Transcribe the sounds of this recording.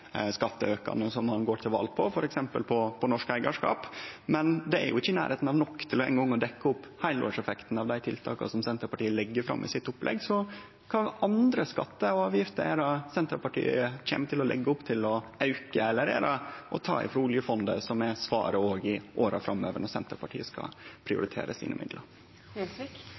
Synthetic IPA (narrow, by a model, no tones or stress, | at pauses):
skɑt̪ːəøːkɑ̰nəsɔmhɑnɡoːʈʰɪlʋɑ̰ːlpʰɔfɔɾʔɛksɛmpəlpʰɔpʰɔnɔʂkæɪɡɑʂkɑ̰ːpmɛnd̪ɛæ̰ɾjʊ̰ɪçːəɪnæ̰ːɾheːt̪nɑʋnɔkːt̪ʰɪlɔɛ̰ɪŋɡɔŋːɔd̪ɛkːəʊpːhæɪlo̰ːʂɛfɛkt̪n̩ɑʋd̪æɪt̪ʰɪlt̪ʰɑ̰ːkɑ̰sɔmsɛnt̪ɾəpɑʈiːəlɛɡːəɾfɾɑ̰mːʔɪ̰sɪt̪ːʊplʔɛ̰ɡsɔ | kʰɑnʔɑnd̪ɾəskɑt̪ːəɔɑːʋjɪft̪əɾæːɾɑsɛnt̪əɾpɑʈʰḭːəc͡çḛːmət̪ʰɪlɔlɛ̰ɡːəʊpt̪ʰɪlɔʔɑʉkəɛlːəɾḛːɾɑʔɔt̪ʰɑ̰ːɪ̰fɾuːlɪəfɔnd̪ə̰sɔmɛsʋɑ̰ːɾəoːɡɪʔoːɾʔɑ̰fɾɑmːøːʋəɳɔɾsɛnt̪əɾpɑʈʰḭːəskɑ̰pʰɾɪʊ̰ɾɪt̪ʰḛːɾəsḭːnʔəmɪ̰d̪ləɾ